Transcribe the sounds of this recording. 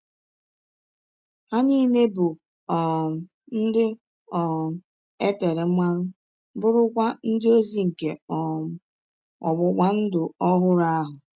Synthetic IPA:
ha˦niː˦ne˦bʊ˨ | ɔ˨ | n̩˦dɪ˦ | ɔ˨ | e˦te˨ɾe˨˦mʷa˦ɾʊ˦ | bʊ˦ɾʊ˦kʷa˦n̩˦dɪ˦o˦zi˦ŋ̩˨ke˨ɔ˨ | ɔ̰˨ɡ͡bʊ˨kʷa˦n̩˦dʊ˨ɔ˦ɦʊ˦ɾa˦ɦʊ˨

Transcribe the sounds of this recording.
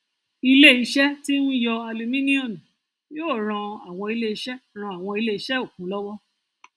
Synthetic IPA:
i˧le˦i˧ʃɛ˦ti˦nũ˦jɔ˧a˧lu˧mĩ˦nĩ˦õ˦˨mũ˨ | joː˦˨ɾ̃ã˧a˨w̃ɔ̃˧i˧le˦i˧ʃɛ˦ɾ̃ã˧˨a˨w̃ɔ̃˧i˧le˦i˧˦ʃɛ˦o˦˨kũ˨˦lɔ˦wɔ˦

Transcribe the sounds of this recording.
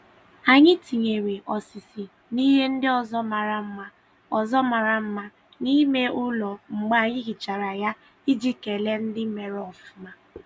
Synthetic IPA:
a˨ɲɪ˦ti˨ɲe˨ɾe˨ʔɔ˨sɪ˨sɪ˨ | ni˦ɦe˦n̩˦dɪ˦ɔ˨zɔ˦ma˨ɾa˨m̩˦ma˦ | ɔ˨zɔ˦ma˨ɾa˨m̩˦ma˦ | ni˦me˦ʊ˦lɔ˨ŋ͡m̩˨ɡ͡ba˦˨ɲɪ˦ɣɪ˨t͡ʃa˨ɾa˨ja˦ | i˦d͡ʒi˦ke˨le˦n̩˦dɪ˦me˨ɾɔ˨fu˨˦ma˦

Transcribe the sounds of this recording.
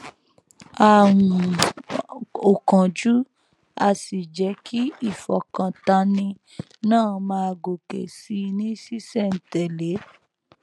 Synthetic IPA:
a˨wũ˨ | o˨kã˨d͡ʒu˦ | a˧si˨d͡ʒɛ˨˦kʰi˦i˦˨fɔ˨kã˧ta˧nĩ˧ | nãː˦˨mãː˧ɡo˨kḛ˨si˨˦˧nĩ˦si˦sɛ˦˨n̩˨tɛ˨le˨˦

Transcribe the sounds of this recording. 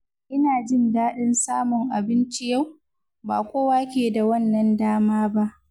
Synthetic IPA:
ʔɪ˦naː˨d͡ʒɪ˦ndaː˦ɗɪ˦nsaː˦mʊ˨ŋʔa˨bɪ˦nt͡ʃi˦ja˦˨w | ba̰ː˨kʷoː˦waː˦kʲeː˨da˨wɐ˦˨nːɐ˨ndaː˦maː˦ba˦ʔ

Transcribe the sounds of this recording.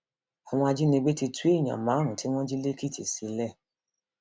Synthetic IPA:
a˨w̃ɔ̃˧a˧d͡ʒi˦nĩ˧ɡ͡be˦ti˧tu˦ẽ˦˨ã̰˨mãː˨˦ɾ̃ũ˨ti˦w̃ɔ̃˦d͡ʒi˦le˦ki˦˨ti˨si˨˧lɛ˦˨

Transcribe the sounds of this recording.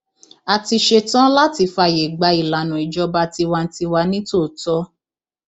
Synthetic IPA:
a˨ti˧ʃe˧tã˦la˦ti˧fa˧˨je˨ɡ͡ba˧i˨la˨nũ˨i˨d͡ʒɔ˧˦ba˧ti˧wa˧n̩˦ti˧wa˧nĩ˦to˦˨tɔ˦

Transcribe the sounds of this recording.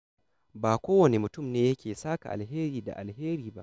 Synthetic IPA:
baː˨kʷoː˦wɔ˨ni˨mʊ˨tʊ˦mneː˦je˦kʲeː˨saː˦ka̰˨ʔa̰˨lɦeː˦ɾiː˨da̰˨ʔa˨lɦeː˦ɾiː˨ba̰˦˨ʔ

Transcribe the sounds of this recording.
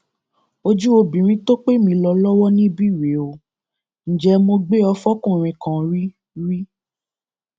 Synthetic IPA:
o˧d͡ʒu˦o˧bĩ˨ɾ̃ĩ˧˦to˦k͡pe˦mĩ˧lɔ˧lɔ˦wɔ˦nĩ˦bi˦˨we˨˦o˨ | n̩˨d͡ʒɛ˧˦mo˧ɡ͡be˦ɔ˧fɔ˦kũ˦˨ɾ̃ĩ˧kã˨ɾi˦ | ɾi˦

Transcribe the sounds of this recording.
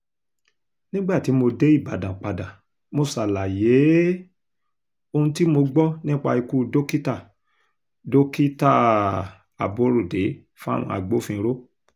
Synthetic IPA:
nĩ˦ɡ͡ba˦˨ti˨˦mo˧de˨˦i˦˨ba˨dã˨k͡pa˨dã˨ | mo˧sa˨la˨je˨˦ | o˧ũ˧ti˦mo˧ɡ͡bɔ˦nĩ˦k͡pa̰˧i˧ku˦do˦ki˦ta˦˨ | do˦ki˦ta˦˨ | a˨bo˦ɾo˦˨de˨˦ | fũ˦a˦˨w̃ɔ̰̃˧a̰˧˨ɡ͡bo˨˦fĩ˧ɾo˦

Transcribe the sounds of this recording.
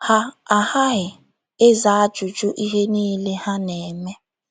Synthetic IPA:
ha˦a˨ha˦ɦɪ˨ | ɪ˦za˨a˦d͡ʒu˨t͡ʃu˦ʔi˦ɦe˦niː˦le˦ha˦ne˨me˦

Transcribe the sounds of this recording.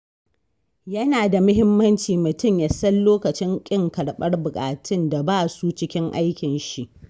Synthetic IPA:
jɐ˦naː˨da˨mʊ˦ɦɪ˦mːɐ˦nt͡ʃiː˨mʊ˨tʊ˦˨mja˨sɐ˦llːoː˦kɐ˨t͡ʃɪ˦ŋkʲʼɪ˦ŋkɐ˨ɽɓɐ˦rbʊ˨kʼaː˨tʰɪ˦nda˨baː˦su˦t͡ʃɪ˦kʲɪ˦ŋʔa˦jkʲɪ˨nʃi˦ʔ

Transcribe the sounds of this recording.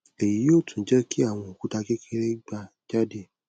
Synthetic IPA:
e˨ji˨˦joː˦˨tũ˨˦d͡ʒɛ˦kʰi˦a˦˨w̃ɔ̃˧o˨ku˨˦ta˧kɛ˦kʰɛ˦ɾɛ˦ɡ͡ba˦˨ | d͡ʒa˦de˦˨

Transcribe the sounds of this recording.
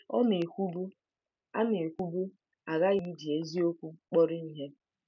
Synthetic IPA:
ɔ˦ne˨kʷu˦bu˦ | a̰˦ne˨kʷu˦bu˦ | a˨ɣa˦ɣi˦di˨e˦zi˦o˦kʷu˦k͡pɔ˦ɾi˦i˦ɦe˦

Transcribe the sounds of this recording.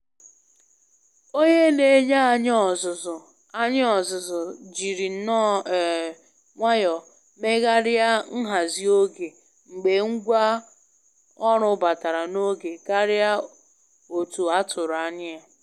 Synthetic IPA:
o˦ɲe˦le˦˨˦ɲa˦˨ɲɔ˦˨zʊ˨zʊ˨ | a˦ɲ˦ɔ˨zʊ˨zʊ˨d͡ʒi˨ɾi˨n̩˦nɔ˦˨ | ŋʷa˦jɔ˨ | me˦ɣa˦ɾɪ˦a˦ŋ̩˦ɦa˨zi˨o˦ɡe˨ | ŋ͡m̩˨ɡ͡be˨ŋ̩˦ɡʷa˦ | ɔ˦ɾʊ˦ba˨ta˨ɾa˨no˦ɡe˨ka˦ɾɪja˦ | o˨tu˨a˦tʰʊ˨ɾa˨ɲɪ˦a˨

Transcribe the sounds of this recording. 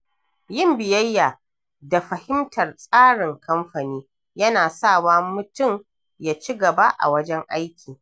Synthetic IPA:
jɪ˦˨mbɪ˨jɐ˦jːaː˨ | da˨ɸɐ˨hɪ˦mtʰɐ˨rsʼaː˦ɽɪ˨ŋkɐ˦mɸɐ˨niː˦ | jɐ˦naː˨saː˦˨waː˦mʊ˨tʊ˦˨m | jaː˦t͡ʃi˦ɡɐ˨ba˦ʔa̰˨wɐ˦d͡ʒɛ˦ŋʔa˦jkʲʰiː˨

